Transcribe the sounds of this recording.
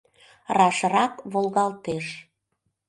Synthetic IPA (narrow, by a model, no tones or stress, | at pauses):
rɑʃrɑkβolɣɑlˠt̪eʃ